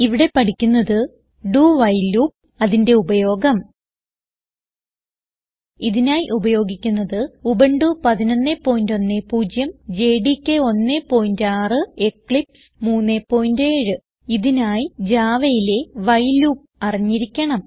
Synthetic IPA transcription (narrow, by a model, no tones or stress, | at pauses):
iʋiɽe̞pɐʈikʲːunːɐðɨ | ɖuːʋɐjluːp̚ | ɐðinde̞ubɐjo̞ːɡɐm | iðinaːjiʔubɐjo̞ːɡikʲːunːɐðɨubeɳɖupɐðinɐnːepːo̞ːjindo̞nːepuːd͡ʑjɐmd͡ʑe̞ːɖikʲːeo̞nːepːo̞ːjindaːrɨe̞kːɭips | muːnːepːo̞ːjinde̞ːɻɨ | iðinaːjid͡ʑaːʋɐjile̞ʋɐjluːp̚ɐriɲːiɾikʲːɐɳɐm